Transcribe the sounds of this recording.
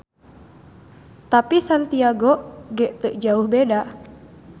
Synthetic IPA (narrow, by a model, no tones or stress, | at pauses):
t̪apisant̪iaɡoɡɛʔt̪əʔd͡ʒauhbeda